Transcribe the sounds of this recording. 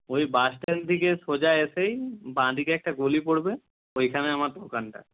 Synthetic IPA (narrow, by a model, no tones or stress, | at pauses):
ojbasʈend̪ʱikesod͡ʑaesejbãd̪ikeɛk̚ʈaɡolipoɽbe | ojkʰaneamaɾd̪okanʈa̰